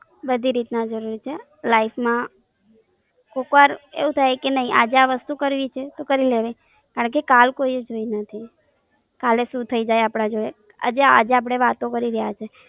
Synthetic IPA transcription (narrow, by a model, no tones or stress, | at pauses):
bəd̪ʱiɾit̪nad͡ʒəɾuɾit͡ʃʰe | laifʰmã | kokʋaɾḛʋũt̪ʰajkenəɦiʔa̰d͡ʒeaʋəst̪ukəɾʋit͡ʃʰet̪okəɾileʋe | kaɾəɳkekalkoied͡ʒoinət̪ʰi | kaleʃũt̪ʰəid͡ʒajapɽ̃ad͡ʒoe | a̰d͡ʒea̰d͡ʒeap̬ɽ̃eʋat̪õkəɾiɾəjat͡ʃʰe